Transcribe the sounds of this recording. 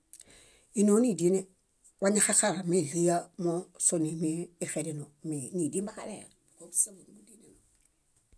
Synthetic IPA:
i˨no˦ni˨di˦ne˦ | wa˦ɲa˦xa˦xa˨ɾa˨mi˦li˦ja˦mo˦so˨ni˨miː˦˨xe˨di˨no˨mini˨di˦mba˦ka˦ɾḛ˨ɾba˨ko˦usa˦bu˨ɡu˦di˦ni˨no˨

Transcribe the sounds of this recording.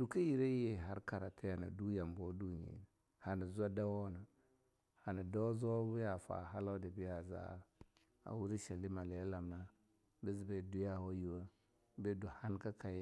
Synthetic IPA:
du˨ka˦ji˨ɾe˦je˨ɦa˦ɾka˨ɾa˨ta˦ja˨na̰˨du˦ja˨mbo˦du˦ɲḭ˨n˨ | ha˨na˨za˦da˦wo˦na˨ | ha˨na˨da˦zo˦bu˦ja˨fa̰˨ɦa˦la˦de˨bi˦ja˨za̰˦˨ | a̰˨wu˦ɾi˦ʃa˨li˦ma˨le˨˦la˨mna˦ | bi˦z̬be˨du˦ja˦ho˦ju˨wa˦ | be˦du˨ha˦n˦ka˦ka˨j

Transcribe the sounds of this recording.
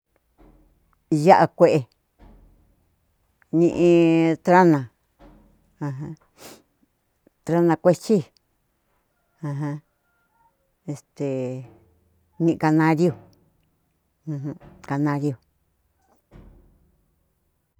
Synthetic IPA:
ja˦ʔa˧kʷe˦ʔe˧ | nĩ˧ʔĩ˧t̪ɾa˦nã˨ | ã˧ɦã˧ | t̪ɾa˦nã˧kʷe˦t͡ʃi˦ | hã˧ɦã˧ | e˨st̪e˨ | nĩ˧ʔĩ˧ka˧nã˧˦ɾjo˧˨ | ũ˧ɦũ˦ka˧nã˧ɾi˦˧o˧˨

